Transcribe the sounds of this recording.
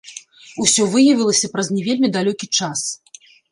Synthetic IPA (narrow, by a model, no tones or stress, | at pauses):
usʲɔvɨjɐvʲilˠɐsʲɐpɾɐznʲɛvʲelʲmʲid̪alʲɔkʲit͡ʂas